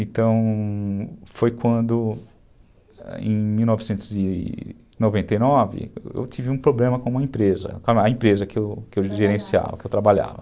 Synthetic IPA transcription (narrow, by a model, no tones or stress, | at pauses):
ẽt̪ɐ̃w̃ | fojkwɐ̃nd̪ʊ | ḛ̃j̃miwnɔvɪsẽnt̪ʊzɪ | novẽnt̪ejnɔvɪ̰ḛwtivɪũpɾoblẽmɐkõũmɐẽpɾezɐ̰kɐẽpɾezɐkɪewkɪewʒeɾẽsia̰vɐ̰kɪewt̪ɾabaʎa̰vɐ